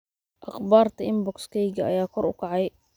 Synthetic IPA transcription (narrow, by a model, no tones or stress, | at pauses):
ʔɑχbaːrt̪ʰɐɪmbɔkskʰɛjɡɐːjaːkʰɔrʊ̰kʰɑʕɑj